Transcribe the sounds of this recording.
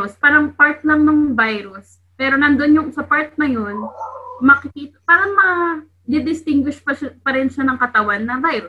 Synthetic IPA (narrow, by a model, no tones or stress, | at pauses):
ospaːɾɐŋpaɹt̪̚lɐŋnɐŋvajɾʊs | pɛːɾo̞nɐnd̪onjʊŋsɐpaɹt̪̚nɐjo̞nmɐkɪkiːt̪ɐpaːɾɐŋmɐ | d̪ɪd̪ɪst̪ɪŋɡwɪʃpɐpɐɾɪnʃɐnɐŋkɐt̪ɐwanːɐvajɾʊs